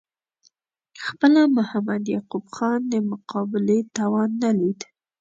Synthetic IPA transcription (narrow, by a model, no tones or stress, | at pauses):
xpəlamʊhamad̪jɑqubxɑnd̪əmʊqʰɑbɪlet̪ɑwɑnːalid̪